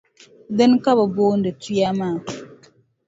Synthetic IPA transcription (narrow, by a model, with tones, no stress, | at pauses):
də˦nka˦ba˨bo˦ndə˨ti˦ja˦ma˦˨